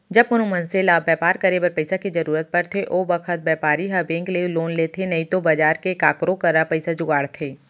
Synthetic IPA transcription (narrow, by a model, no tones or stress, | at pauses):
d͡ʒɐbʊnũmɐnselaːbɛːpaːɾkɐɾebɐɾpɐɪsakizɐɾuːɾət̪̚pɐɾt̪ʰeʔoːbɐkʰət̪̚bɛːpaːɾiɦɐbẽːŋkleloːnleːt̪ʰenɐĩt̪obɐd͡ʒaːɾkekaːkɾõkɐɾapɐɪsad͡ʒʊɡaːɽt̪ʰeː